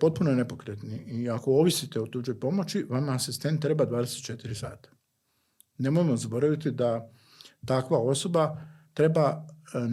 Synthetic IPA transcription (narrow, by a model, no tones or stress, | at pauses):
po̞t̪̚punonepo̞kɾet̪niʔiako̞oʋisit̪e̞ot̪ud͡ʑo̞jpo̞mo̞t͡ʃiʋamaːsist̪e̞nt̪ːɾe̞bad̪ʋaːd̪eset̪t͡ʃe̞t̪iɾisa̰ːt̪ḁ | ne̞mojemo̞zabo̞ɾaʋit̪id̪a | t̪akʋao̞so̞bat̪ɾe̞ba